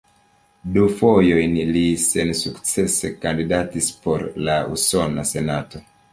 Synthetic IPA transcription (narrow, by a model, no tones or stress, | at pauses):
dufojo̞jnlise̞nsukt͡se̞se̞kandidatispo̞ɾlaṵso̞nase̞nato̞